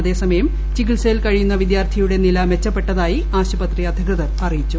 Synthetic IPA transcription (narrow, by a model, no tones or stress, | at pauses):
ɐðe̞ːsɐmɐjɐm | t͡ɕikiɭseːlkɐɻijunːɐʋid̪jaːrt̪ʰijuɽe̞nilɐʋe̞t͡ɕːɐpːe̞ʈːɐðaːji | aːɕɐpɐt̪riɐd̪ʱɐkɨðɐrɐrijit͡ɕːu